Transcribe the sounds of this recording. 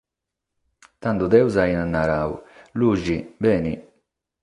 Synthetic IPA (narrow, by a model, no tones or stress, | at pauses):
t̪and̪ud̪ɛwzainanːaɾaṵluːʒibɛːnḭ